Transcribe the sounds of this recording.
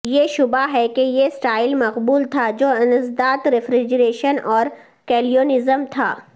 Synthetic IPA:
jeʃʊbaɦɛkejesʈaːɪlmɐqbuːlt̪ʰad͡ʒoːɪnəzd̪aːt̪ɾɪfɾɪd͡ʒɾeːʃənɔːɾ | kɛːlijoːnɪzəmt̪ʰa̰ː

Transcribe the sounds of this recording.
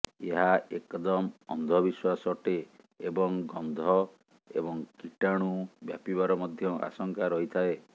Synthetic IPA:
eɦaekɔd̪ɔmɔ̰nd̪ʱɔbiswasɔʈeː | bɔŋɡɔnd̪ʱɔ | ḛbɔŋkiʈaɽ̃ubjapiβaɾɔmɔd̪ʱjɔʔa̰sɔŋkaɾɔɦit̪ʰae

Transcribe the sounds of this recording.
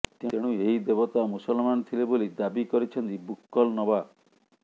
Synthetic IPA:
t̪eeɽ̃ũeɦid̪ebɔt̪amusɔlmanɔt̪ʰilebolid̪abikɔɾit͡ʃʰɔnt̪ibukːɔlnɔba

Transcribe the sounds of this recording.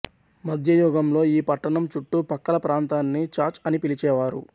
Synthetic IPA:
mɐd̪ʱjɐjɔːɡɐmlo̞ːiːpɐʈːɐɳɐmt͡ʃuʈːupɐkːɐlɐpɾaːnt̪aːnːit͡ʃaːɾt͡ʃɐnipilit͡ʃɛːʋaːɾṵ

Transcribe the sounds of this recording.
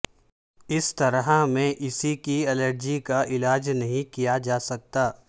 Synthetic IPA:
ɪst̪ɐɾɦamẽʔɪsikiɛləɾd͡ʒikaʔɪlaːd͡ʒnɐɦĩkijad͡ʒaːsɐk̚t̪aː

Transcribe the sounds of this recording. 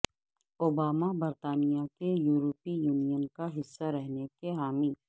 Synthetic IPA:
oːbaːmabɐɾt̪aːnijakejuːɾopijuːnijənkaɦɪsːaɾɛɦnekeɦaːmiː

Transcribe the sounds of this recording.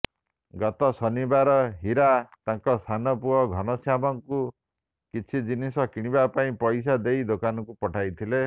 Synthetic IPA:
ɡɔt̪ɔsɔnibaɾɔɦiɾat̪ãŋkɔst̪ʰanɔpuɔɡʱɔnɔsjamɔŋku | kit͡ʃʰid͡ʒinisɔkiɽ̃ibapaĩpɔjs̬ad̪ejd̪okanɔkupɔʈʰajt̪ʰile

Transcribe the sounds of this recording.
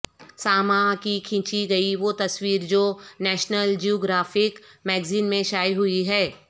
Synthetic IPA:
saːmãkikʰɪ̃ːt͡ʃiɡɐiʋot̪ɐswiːɾd͡ʒoːnɛːʃnəld͡ʒioːɡɾaːfɪkmɛːɡziːnmẽʃaːiɦʊiɦɛː

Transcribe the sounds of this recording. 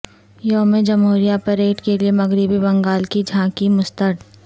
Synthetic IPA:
joːmẽd͡ʒɐmɦuːɾijapɐɾeːʈkeliemɐɡɾibibɐ̃ŋɡaːlkid͡ʒʱãːkimʊst̪əɾɖ̪

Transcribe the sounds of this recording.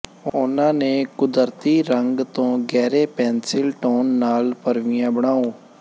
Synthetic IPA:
ʊnãːneːkʊd̪əɾt̪iːɾəŋɡt̪õːɡɛːɾeːpɛ̃ːnsɪlʈoːnːaːlpəɾʋɪjãːbəɽaːõː

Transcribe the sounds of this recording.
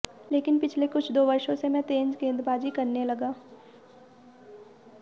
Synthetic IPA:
leːkɪnpɪt͡ʃʰlekʊt͡ʃʰd̪oːʋɐɾʃõsemɛ̃t̪ẽːɲd͡ʒɡẽːnd̪ɾbaːd͡ʒikɐɾnelɐɡaː

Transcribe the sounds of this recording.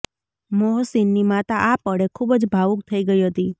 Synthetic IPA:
moɦsinːimat̪aʔapəɽekʰubəd͡ʒbʱaʋukt̪ʰəiɡəiɦət̪i

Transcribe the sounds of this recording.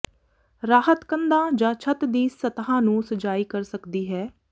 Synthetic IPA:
ɾaːɦət̪kənd̪ãːd͡ʒãːt͡ʃʰət̪d̪iːsət̪ɦãːnũːsət͡ʃaːiːkəɾsəkd̪iːɦɛː

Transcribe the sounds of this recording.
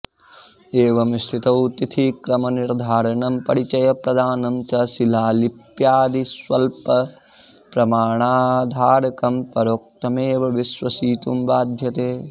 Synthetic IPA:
eːʋɐmst̪ʰit̪ɐwt̪it̪ʰikɾɐmɐniɾd̪ʱaːɾɐɳɐmpɐɽit͡ʃɐjɐpɾɐd̪ʱaːnɐmt͡ʃɐsilaːlipjaːd̪isʋɐlpɐ | pɾɐmaːɳaːd̪ʱaːɾɐkɐmpɐɾoːk̚t̪ɐmeːʋɐʋisʋɐsiːt̪umbaːd̪ʱjɐt̪eː

